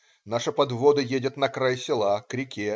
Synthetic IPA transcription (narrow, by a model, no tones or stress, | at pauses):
naʂɨpɐd̪vo̞d̪ɨjedʲɪt̪nɐkɾajsʲɪlˠakɾʲɪkʲe